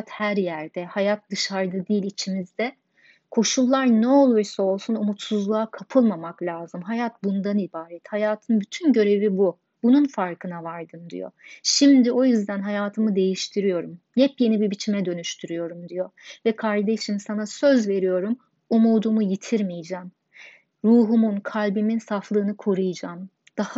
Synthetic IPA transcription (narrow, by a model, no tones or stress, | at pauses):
t̪hæɾjæɾd̪ɛhajat̪̚d̪ɯʃaɾd̪ɯd̪iːlʲit͡ʃʰimizd̪ɛ | kʰo̞ʃulˠːaɾnɛo̞lˠuɾsao̞lˠsunumut̪suzlˠaakʰapʰɯlˠmamaklʲaːzɯmɦajat̪bund̪anibaːɾɛt̪hajaːt̪ʰɯnbyt̪ʰynɟø̞ɾe̞vibu | b̥ununfaɾkʰɯnavaɾd̪ɯnd̪ḭjo̰ʃimd̪io̞jyzd̪ænɦajaːt̪ʰɯmɯd̪e̞jiʃt̪ʰiɾijo̞ɾum | jɛpje̞nibibit͡ʃʰimɛd̪ø̞nyʃt̪ʰyɾyjo̞ɾumd̪ijo̞vɛkʰaɾd̪e̞ʃimsanasø̞zve̞ɾijo̞ɾum | umuːd̪umujit̪ʰiɾmijd͡ʒɛːm | ɾuːɦumunkʰalʲbiminsaflˠɯːnɯkʰo̞ɾujɯd͡ʒaːm | d̪̥ah